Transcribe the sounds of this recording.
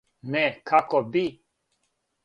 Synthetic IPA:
nɛkʰakɔbi

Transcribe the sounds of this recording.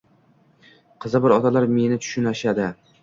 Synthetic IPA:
qʰɨzɪbɪɾɒt̪ʰalaɾme̞nɪt̪ʰʊ̥ʃʊnaʃad̪ɪ

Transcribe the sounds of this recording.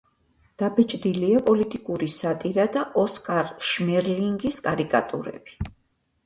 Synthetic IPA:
d̪̥abɛt͡ʃʼd̪iliapʼɔlit̪ʼikʼuɾisat̪ʼiɾad̪aʔɔskʼaɾʃmɛɾliŋɡiskʼaɾikʼa̰t̪ʼṵɾɛ̰b̥i̥

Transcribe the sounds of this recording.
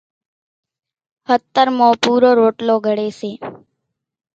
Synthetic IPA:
hət̪ːəɾmõːpuːɾoːɾoːʈloːɡʱəɽeːseː

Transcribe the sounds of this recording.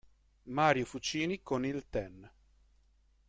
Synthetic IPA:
maːɾjofut͡ʃiːnikonilt̪ɛn

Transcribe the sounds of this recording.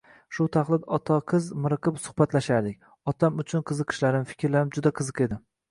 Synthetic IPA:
ʃʊt̪ʰaχlˠɪd̪ɒt̪ʰaqʰɨzmɪɾɨqʰɨpsʊhbat̪laʃaɾd̪ɪk̚ʲ | ɒt̪ʰamʊt͡ʃʰʊnqʰɨzɨqʰɨ̥ʃlaɾɪmfɪ̥kʲʰɾlaɾɪmd͡ʒʊd̪aqʰɨzɨqe̞d̪ɪ

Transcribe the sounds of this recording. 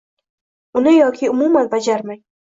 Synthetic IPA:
ʊnɪjɒkʲʰɪʊmumanbad͡ʒaɾmaj

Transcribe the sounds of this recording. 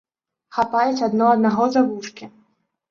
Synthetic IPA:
xapajut͡sʲad̪nɔɐd̪naɣɔzavuʂkʲi

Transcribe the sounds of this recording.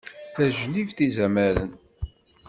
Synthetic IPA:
θæʒlivθizæmæɾə̰n

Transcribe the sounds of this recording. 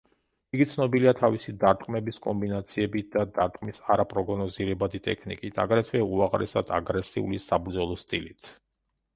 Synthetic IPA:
iɡit̪sʰnɔbiliat̪ʰavisid̪aɾt̪ʼqʼmɛbiskʼɔmbinat̪sʰiɛbid̪̥ad̪aɾt̪ʼqʼmisaɾapʼɾɔɡɔnɔziɾɛbad̪it̪ʼɛ̰kʰnikʼit̪ʰa̰ɡɾɛt̪ʰvɛuaʁɾɛ̰sad̪ʰa̰ɡɾɛsiṵlisabɾd̪zɔlˠɔst̪ʼilit̪ʰ

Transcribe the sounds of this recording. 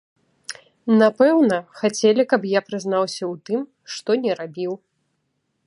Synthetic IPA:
napɛwnɐxat͡sʲɛlʲikɐpjapɾɨznawsʲɐwt̪ɨm | ʂt̪ɔnʲɛɾabʲiw

